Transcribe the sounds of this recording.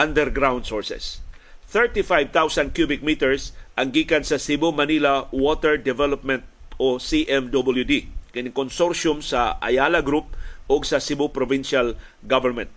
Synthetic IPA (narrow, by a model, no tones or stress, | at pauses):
ʔɐ̃nd̪ɛɹɡɾawnd̪sɔɹsɛ̰s | θɛɹt̪ifajv̚t̪awsɐnd̪̚kjubɪk̚miːt̪ɛɹsʔɐŋɡiːkɐnsɐsɪbʊmɐnilɐwot̪ɛɹd̪ɛvɛlɔp̚mɛ̃nt̪̚ | osiʔɛmd̪obɪljud̪ikɪnɪŋkonsoɹʃʊmsɐʔɐ̰jaːlɐɡɾup̚ʔoɡsɐsɪbʊpɾɔvɪnʃal | ɡavɛɹmɛ̃nt̪̚